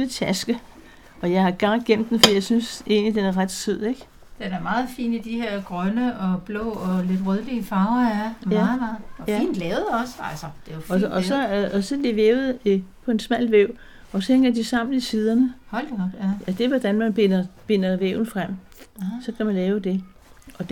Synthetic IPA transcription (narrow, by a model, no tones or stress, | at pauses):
it͡sʰæsɡ̥ə | ʔɒ̽jɑ̈ɪhɑ̈ɡ̥ɑ̥̈ɡ̥em̰d̥ːen̩fɒd̥ḭjɑ̈ɪsynsʔe̝̰ːnlid̥enæɐʁad̥syð̰ˠeɡ̥ | d̥enæɐmɑ̈ːð̩ˠfḭːnid̥ihe̝ɐ̰ɡ̥ʁœnəɒ̽b̥lɔ̰ːɒle̝d̥ʁœðˠliəfɑ̈ʊɐæɐmæð̩ˠmɑːð̩ˠæḭːnd̥lɛːʊð̩ˠɒ̽sælsɐd̥e̝jofɒɒsɒ̽ɒ̽sɒ̽leʋeːʊð̩ˠpʰɒ̽e̝nsmæl̰ʋeʊ̰ | ɒ̽sheŋɡ̥ɐd̥isɑ̈m̰n̩isiːð̞ˠɐnəhɔldjæd̥e̝ʋɒd̥ænmænb̥enɐb̥e̝n̰ɐʋḛʊn̩fʁam̰ | sɒ̽kʰæmænlɛːʊd̥e̝ | ʔɒ̥̽